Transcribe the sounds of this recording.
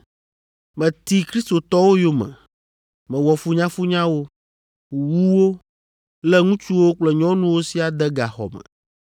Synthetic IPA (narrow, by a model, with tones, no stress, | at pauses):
mɛ̃˨t̪i˦kɾi˦st̪o˨t̪ɔ˦wo˦jo˦mɛ̰̃˨ | mɛ̃˨wɔ˨fu˦ɲã˦fu˦ɲã˦wo˦˨ | wu˦wo˦ | lɛ˦ŋũ˦t͡ʃu˦wo˦k͡plɛ˦ɲɔ̃˦nũ˦wo˦si˦a˨d̪ɛ˦ɡa˨xɔ̰˨mɛ̰˨